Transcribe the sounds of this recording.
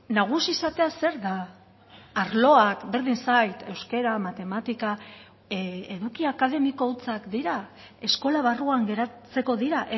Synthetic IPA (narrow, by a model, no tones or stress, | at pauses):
naɣ̞usiːsat̪e̞ase̞ɾðaː | ɾlo̞akbe̞ɾðinsajt̪e̞wske̞ɾamat̪e̞mat̪ika | eðukiakað̞e̞miko̞ut͡sakd̪iɾa | e̞sko̞laβaruaŋɡe̞ɾat͡se̞ko̞ðiɾaʔe